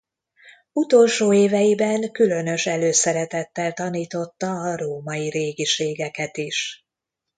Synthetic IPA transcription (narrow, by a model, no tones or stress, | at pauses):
ut̪o̞lʃoːeːvɛjibɛŋkylø̞nø̞ʃɛløːsɛɾɛt̪ɛt̪ːɛlt̪ɒniːt̪o̞t̪ːɒːɾoːmɒiɾeːɡiʃeːɡɛkɛt̪iʃ